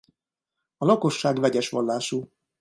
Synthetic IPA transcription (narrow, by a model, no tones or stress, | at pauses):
ɒlɒko̞ʃːaːɡvɛɟɛʃʋɒlːaːʃu